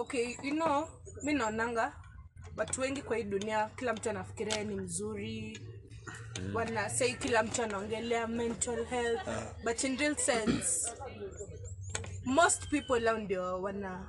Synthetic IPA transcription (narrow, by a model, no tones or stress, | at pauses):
okejuno | minaɔnaŋɡa | watuwɛŋɡikwahiɗuniakilam̩tuanafi̥kiɾianim̩zuɾi | wanasaiikilam̩tuanaɔŋɡɛlɛamɛ̃ntalhɛlθbatinɹilsɛ̃ns | mostpipɔlaɔndiɔwana